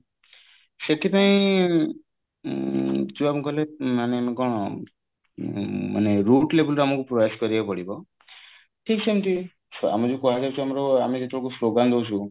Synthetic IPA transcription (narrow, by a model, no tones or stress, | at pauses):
seʈʰipaĩ | d͡ʒuamɔkɔlemanemɔkɔɽ̃ | ma̰neɾuʈlebɔlɾeamɔkupɾɔjeskɔɾibapɔɽibɔ | ʈʰiksɔmt̪i | a̰mɔd͡ʒukɔɦazawsʰuamɔɾɔamid͡ʒet̪ʰekusloɡand̪owsʰu